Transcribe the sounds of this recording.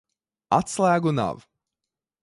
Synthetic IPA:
at̪slˠæːɡuna̰ʋ

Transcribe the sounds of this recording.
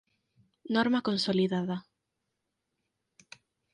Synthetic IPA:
nɔɾmakonsoliðaða

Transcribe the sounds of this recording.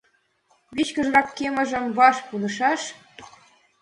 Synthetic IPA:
βit͡ɕkə̆ʒrɑkːemə̆ʒə̆mβɑʃpunɤ̆ʃɑʃ

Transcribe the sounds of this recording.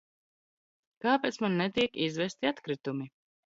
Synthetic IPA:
kaːpeːt̪smanːɛt̪iɛkizvɛst̪iat̪kɾit̪umi

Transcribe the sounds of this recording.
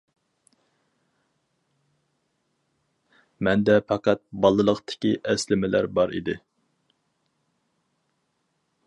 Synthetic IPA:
mɛnd̪ɛpʰɑqʰæt̪̚bɑlˠɨlˠəqt̪ʰɪ̥kʲiʔɛslɪmɪlæ̰ɾbɑɾḭd̪ɪ

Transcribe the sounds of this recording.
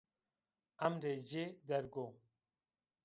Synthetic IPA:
ɐmɾed͡ʑed̪ɐɾɡo

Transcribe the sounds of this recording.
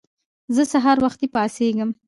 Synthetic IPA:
zəsaɦɑɾwaxt̪epɑseɡəm

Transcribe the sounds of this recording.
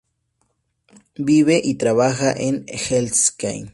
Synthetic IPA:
biβeʔit̪ɾaβaxaʔenxelska̰jn

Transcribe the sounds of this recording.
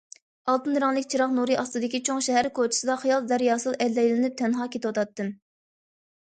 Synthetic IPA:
ɑlˠt̪ɨnɾɑŋlˠɨkʲt͡ʃʰiɾɑχnuɾɨʔɑst̪ɨd̪ɪkʲit͡ʃʰoŋʃɛɦæɾkʰot͡ʃʰi̥sɨd̪ɑχɑjɑlˠzæɾjɑːsɨlˠɛd̪ːɛjlɪnɪp̚t̪ʰɛnɦɑːkʲet̪ɪwɑt̪ʰɑt̪ːɨn

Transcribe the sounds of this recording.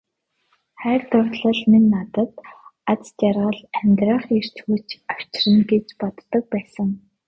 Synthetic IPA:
χæːrt̪ʊrɮə̆ɮminːat̪ə̆t̪at͡st̪jarʁə̆ɮæmʲt̪rə̆χer̥t͡ɕxuːt͡ɕaw̥t͡ɕrə̆nɡet͡ɕpɔt̪ːɞ̆k̚pæːsə̆ŋ

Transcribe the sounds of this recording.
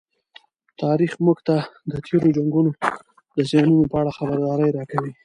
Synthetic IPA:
t̪ɑɾixmʊɡt̪ad̪ət̪ʰeɾod͡ʒaŋɡuno | d̪əzjɑnunopəaɽaxabəɾd̪ɑɾəjɾɑkawi

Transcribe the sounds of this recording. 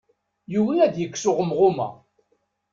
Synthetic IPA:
juwnæd̪jəkːsʊʁəmʁʊmæ̰

